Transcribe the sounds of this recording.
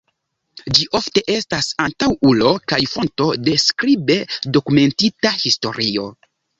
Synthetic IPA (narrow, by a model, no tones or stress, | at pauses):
d͡ʒiʔo̞fte̞ʔe̞stasantawulo̞kajfo̞nto̞de̞skɾibe̞do̞kume̞ntitahisto̞̰ɾio̞